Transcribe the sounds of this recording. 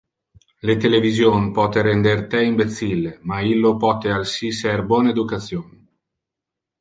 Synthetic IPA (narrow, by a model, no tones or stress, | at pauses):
let̪elevizjoːnpɔt̪eɾend̪ert̪eimbet̪sːilːemailːopɔt̪ealsisɛrbwɔːneed̪ukat̪sːjoːni